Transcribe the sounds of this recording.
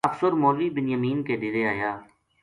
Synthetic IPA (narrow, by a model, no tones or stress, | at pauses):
əfsəɾmoːliːbɪnjəmiːnkeːd̪ɪɾeːaːjaː